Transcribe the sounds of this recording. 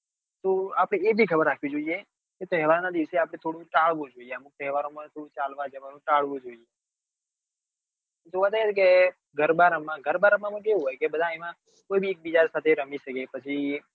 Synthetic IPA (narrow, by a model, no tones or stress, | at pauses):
t̪oapəɽ̃eebʱikʰəbəɾːakʰʋid͡ʒoie | ket̪ɛɦʋaɾnad̪iʋəseapɽ̃et̪ʰoɽũʈaɭʋũd͡ʒoieəmuk̚t̪ɛɦʋaɾomãt̪ʰoɽũt͡ʃalʋad͡ʒəʋanũʈaɭʋũd͡ʒoie | t̪õʋat̪aet͡ʃʰeke | ɡʱəɾbaɾəmːãɡʱəɾbaɾəmãmə̃keɦũɦojkebəd̪ʱãemã | kojbʱiek̚bid͡ʒaɾsat̪ʰeɾəmiʃəkepət͡ʃʰi